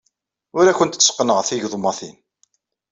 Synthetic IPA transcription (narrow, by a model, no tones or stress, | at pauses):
ʊɾæçənt̪t͡sːsqnəʁθiʝðˤmːɑθḭn